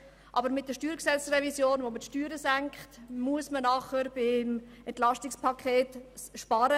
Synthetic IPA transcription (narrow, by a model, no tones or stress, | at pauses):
ʔɑbəɾmɪt̚dəʃtyːɾksɛlt͡srɛvisjoːnvomətʃtyːɾəsæŋkχtmuəsmənɑχəɾb̥ɪm | ɛntlɑstɪkspʰɑkʰeːtʃpɑɾə